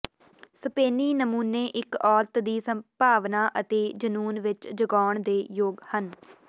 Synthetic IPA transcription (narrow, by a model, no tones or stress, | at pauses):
səpeːniːnəmuːneːʔɪkɔːlt̪d̪iːsəmpaːʋnaːʔət̪eːd͡ʒənuːnʋɪt͡ʃd͡ʒəɡaːɳd̪eːjoːɡhən